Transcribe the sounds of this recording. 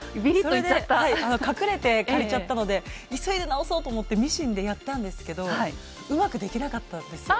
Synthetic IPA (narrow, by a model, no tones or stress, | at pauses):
bʲiɾisoed̪eehaiano̞kakɯ̟ɾe̞t̪e̞kaɾit͡ɕat̪ːano̞d̪e̞isoid̪e̞naoso̞ːt̪o̞ːmo̞t̪ːemʲiɕĩnd̪e̞jat̪ːãnd̪e̞sɨ̥ke̞d̪o̞i | ɯ̟makɯ̟d̪e̞kʲinakat̪ːand̪e̞sɨ̥